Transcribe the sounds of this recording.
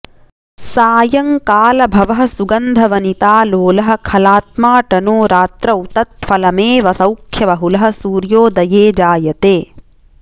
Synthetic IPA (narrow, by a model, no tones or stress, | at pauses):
saːjɐŋkaːlɐbʱɐʋɐɦɐsuɡɐnd̪ʱɐʋɐnit̪aːloːlɐɦɐ̆kʰɐlaːt̪̚maːʈɐnoːɾaːt̪ɾɐut̪ɐt̪fɐlɐmeːʋɐsɐwkʰjɐʋɐɦulɐɦɐ̆suːɾjoːd̪ɐjeːd͡ʒaːjɐt̪eː